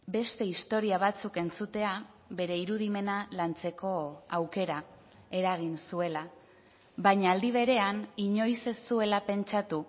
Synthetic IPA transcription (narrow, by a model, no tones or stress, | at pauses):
be̞st̪e̞ist̪o̞ɾiaβ̞at͡suke̞nt͡sut̪e̞a | βe̞ɾe̞iɾuðime̞nalant͡se̞ko̞awke̞ɾa | e̞ɾaɣ̞insue̞la | βajɲaːld̪iβ̞e̞ɾe̞aniɲo̞jsesue̞lape̞nt͡ʃat̪u